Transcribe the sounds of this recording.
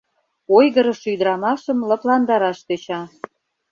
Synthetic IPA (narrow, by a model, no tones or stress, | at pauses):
ojɣə̆ɾə̆ʃyd̪ɾɑmɑʃə̆mlɤ̆plɑnd̪ɑɾɑʃt̪et͡ɕɑ